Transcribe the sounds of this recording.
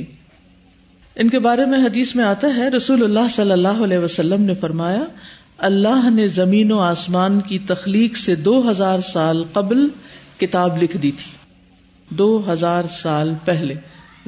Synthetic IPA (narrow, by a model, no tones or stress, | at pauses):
ɪnkebaːɾemẽɦɐd̪iːsmẽaːt̪aɦɛɾɐsuːlʊlːaːɦsɐlːəlːaːɦoɐlɛːʋɐsɐlːəmnefɐɾmaːja | ɐlːaːɦnezɐmiːnoaːsmaːnkit̪ɐxliːqsed̪oːɦɐzaːɾsaːlqɐblkɪt̪aːblɪkʰd̪iːt̪ʰi̥ː | d̪oːɦɐzaːɾsaːlpɛɦle